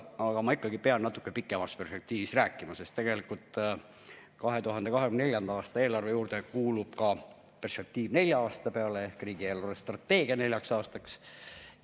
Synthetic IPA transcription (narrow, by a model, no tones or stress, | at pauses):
ɑɡ̥ɑmɑikːɑɡ̥ipeɑnnɑt̪u̥kːˑepikːˑe̞mɑspe̞rspek̚t̪iːvist̪ræːkːˑimɑse̞st̪ːe̞ɡe̞likult̪ˑ | kɑɦe̞t̪uɦɑnd̪̥e̞kɑɦekymnelʲjɑnd̪ɑɑːst̪ɑe̞ːlɑrvejuːɾd̪̥e̞kuːlub̥kɑ | pe̞rspe̞k̚t̪iːvne̞lʲjɑɑːst̪ɑpeɑle̞ehkriːɡ̥ie̞ːlɑrvest̪rɑt̪ːe̞ːɡ̥iɑne̞lʲjɑksɑːst̪ɑks